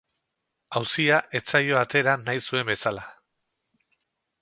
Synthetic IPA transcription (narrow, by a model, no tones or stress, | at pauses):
awsiaʔe̞t͡sajo̞at̪ʰe̞ɾanajsue̞mbe̞sala